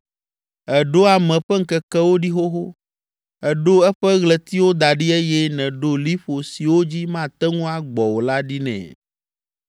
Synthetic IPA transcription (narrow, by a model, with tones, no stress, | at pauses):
ɛ˨ɖo˦a˨mɛ̃˨ɸɛ˦ŋ̩˦kɛ˨kɛ˦wo˦ɖi˦xo˦ɦo˦ | ɛ˨ɖo˦ɛ˦ɸɛ˦ɣlɛ˨t̪i˦wo˦d̪a˨ɖi˦e˦jɛ˦nɛ̃˨ɖo˦li˦ɸo˨si˨wo˦d͡ʑi˦mã˦˨t̪ɛ˦ŋũ˦a˦ɡ͡bɔ˨wo˨la˦ɖi˦nɛ̰̃˨